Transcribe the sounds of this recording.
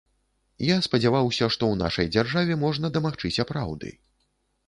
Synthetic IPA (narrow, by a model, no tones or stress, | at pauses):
jaspɐd͡zʲavawsʲɐʂt̪ɔwna̰ʂɐ̰jd͡zʲarʐavʲɛmɔʐnɐd̪ɐmaxt͡ʂɨt͡sʲɐpɾa̰wd̪ɨ̰